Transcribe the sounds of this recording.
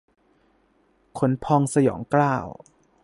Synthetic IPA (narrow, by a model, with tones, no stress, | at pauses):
kʰo˩˦npʰɔː˧ŋsa˧jɔ̰ː˩˦ŋklaː˥˩w